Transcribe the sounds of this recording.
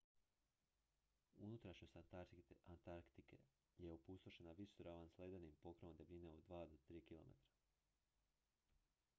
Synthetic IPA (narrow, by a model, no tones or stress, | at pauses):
unut̪ɾaʃɲos | ant̪aɾkt̪ikḛ | jeupust̪oʃenaʋisɾaʋanslˠed̪enimpokɾeʋomd̪e̞bʎineod̪d̪ʋaːd̪ot̪ɾiːkilo̞̰mḛt̪ɾḁ